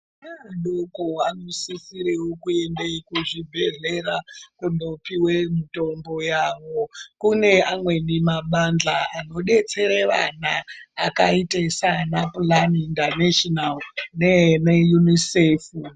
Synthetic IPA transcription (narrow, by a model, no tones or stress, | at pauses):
aɗokoanosisiɾewokue̞ndeikuʐibʱe̞ɮe̞rakuno̞piwe̞mito̞mbo̞jaʋo̞kune̞amwe̞nimaɓand͡ɮaːno̞ɗe̞t͡se̞ɾeʋa̰naːkaitesanaplanindaneʃonalnenejunisefu